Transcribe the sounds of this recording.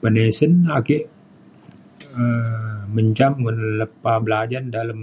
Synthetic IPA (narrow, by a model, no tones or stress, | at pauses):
pənesənakɪʔ | əməɲt͡ʃamŋənləpabəlad͡ʒardaləm